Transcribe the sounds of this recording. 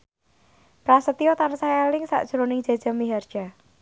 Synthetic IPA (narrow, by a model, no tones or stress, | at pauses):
pɾasət̪iɔt̪ansaɛlɪŋsa̰ʔd̥ʒ̥ɾonɪŋd͡ʒ̥a̤̥ʒ̥a̤miɦard̥ʒ̥a̤